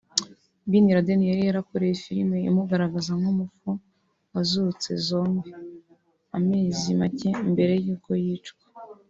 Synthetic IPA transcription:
biniɾadenijaɾijaɾakoɾe̞jefiɾimeḭmuɡaɾaɡazamɡumufu | wazuut͡se̞̰zo̞ːmɡe | ameːzimace̞mbe̞ɾe̞juːko̞jiːt͡ʃɡwḁ

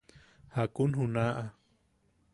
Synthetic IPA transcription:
hakunɦunaʔa

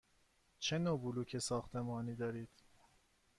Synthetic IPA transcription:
t͡ʃʰenoːbuluːcʰesɒːxt̪ʰe̞mɒːniːd̪ɒːɾiːd̪̥

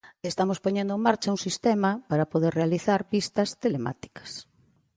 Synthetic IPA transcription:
est̪amospoɲẽnd̪oẽmaɾt͡ʃɐuŋsist̪emɐpaɾɐpoðeɾrealiθaɾpist̪ɐst̪elema̰t̪i̥kɐ̥s

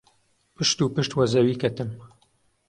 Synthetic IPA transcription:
pɨʃt̪uːpɨʃt̪wɐzɐwiːkɐt̪ɨm

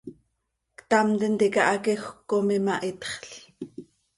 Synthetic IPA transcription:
kt̪ɑmt̪int̪ikaʔakixʷkːomimaʔit̪χɬ

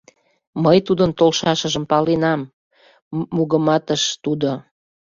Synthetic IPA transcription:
məjt̪ud̪ənt̪olʃɑʃəʒə̆mpɑlinɑmː | uɣəmɑt̪əʃt̪ud̪o

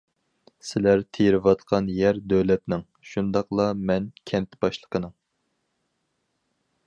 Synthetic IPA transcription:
sɪlæɾt̪ʰejɾɪvɑt̪qʰɑnjɛɾd̪øwlɛt̪nɪŋ | ʃund̪ɑqlˠɑmɛnkʲʰɛnt̪ʰɪ̥bɑʃlˠə̥qʰənɨŋ

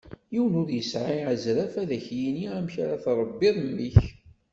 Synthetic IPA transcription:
jiwnʊɾjəsʕaʕəzɾæfæðæçjiniæmçaɾaθɾˤəbːiðˤmːiç

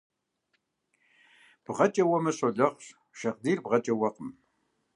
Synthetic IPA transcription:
b̥ʁɐt͡ʃʼɐwɐmɐɕoɮɐχʷɕ | ʃɐqdiːrbʁɐt͡ʃʼɐwɐqəm

